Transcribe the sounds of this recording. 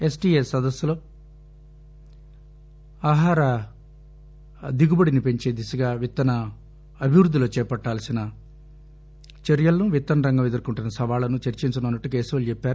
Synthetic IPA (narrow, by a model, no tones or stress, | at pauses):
e̞sʈiːesːɐd̪ɐsːɐloː | aːɦaːɾɐ | d̪iɡubɐɽinipe̞ɲt͡ʃe̞ːd̪isɐɡaːʋit̪ːɐnɐ | ɐbʱiʋɾud̪ːilo̞ːt͡ʃɛːpɐʈːaːlɐsinɐ | t͡ʃeɾjɐlɐnuʋit̪ːɐnɐɾɐŋɡɐmed̪ɐɾkuɳʈunːɐsɐʋaːlɐnut͡ʃɐɾt͡ʃiɲt͡ʃɐnɐːnːɐʈːukeːsiʋɐlut͡ʃepːaːɾu